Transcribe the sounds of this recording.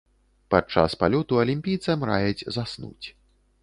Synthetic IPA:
pat͡ʂa̰spalʲɔt̪uɐlʲimʲpʲijt̪sɐmɾajɛd͡zʲzasnṵt͡sʲ

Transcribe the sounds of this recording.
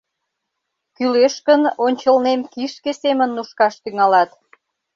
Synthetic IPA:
kyleʃkənonʲt͡ɕəlnemkiʃkesemənːuʃkɑʃt̪yŋɑlɑt̪

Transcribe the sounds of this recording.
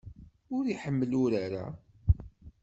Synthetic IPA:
ʊɾiħəmːəlʊɾaɾa̰

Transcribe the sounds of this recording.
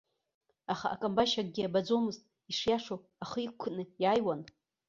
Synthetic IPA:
aχaʔa̰kʼambaʃak̚ʼɡʲiabad͡zo̞mɨztʼ | iʂjaʂo | aχəikkʷʰːnɨjaːjwan

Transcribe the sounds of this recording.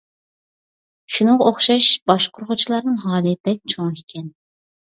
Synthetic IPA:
ʃunɨŋʁɑoχʃɑʃbɑʃqʰʊɾχʊt͡ʃʰilˠɑɾnɨŋɦɑːd̪ɛpɛk̪̚t͡ʃʰoŋikʲʰɛn

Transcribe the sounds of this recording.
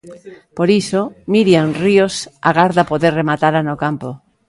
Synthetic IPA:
poɾisomiɾjanriosa̰ɣaɾðapoðeɾremat̪aɾanokampo

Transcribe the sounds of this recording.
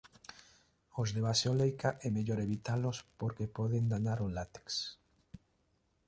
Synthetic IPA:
ozðeβasolejkaʔɛmeʎoɾeβit̪alʊspoɾkepɔðeŋd̪anaɾolat̪e̥ks

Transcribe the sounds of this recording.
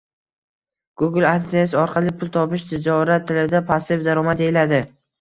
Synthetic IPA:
ɡ̥ʊɡɪlant̪ʰasɪɒɾqʰɑlɪpʰʊlˠt̪ʰɒpɪʃt̪ʰɪd͡ʒɒɾat̪ʰːɪlɪd̪apʰasɪfd̪aɾɒmad̪eɪlad̪ɪ

